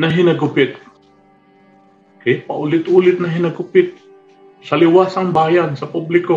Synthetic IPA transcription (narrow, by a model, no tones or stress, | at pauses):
nɐɦɪnɐɡʊpɪt̪̚ | kɛpɐʔʊlɪt̪ʔuːlɪt̪̚nɐɦɪnɐɡʊpɪt̪̚ | sɐlɪwaːsɐŋbaːjansɐpublɪko